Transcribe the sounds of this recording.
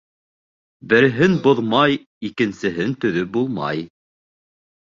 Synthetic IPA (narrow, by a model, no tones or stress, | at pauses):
bɘ̆ɾɦɘnboðmɑj | ikɘ̆nsɘ̆ɦɘnt̪ɵ̆ðɵbulˠmɑ̰j